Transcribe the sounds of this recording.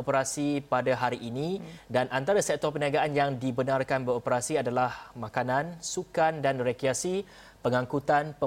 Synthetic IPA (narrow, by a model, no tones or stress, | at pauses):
opəɾasipadaɦaɾiʔːnĩdanant̪aɾasɛk̚t̪ɔrpəniaɡaʔanjaŋdibənarkanbəɾopəɾasiadalahmãkanãnsukandanrekɾiasi | pəŋãŋkut̪anpə